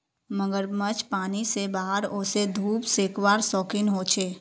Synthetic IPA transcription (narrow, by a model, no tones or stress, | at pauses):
məɡəɾmət͡ʃpaːnisebaːɦəɾʊːsed̪ʱuːpseːkwaːɾsɔːkɪnɦoːt͡ʃʰeː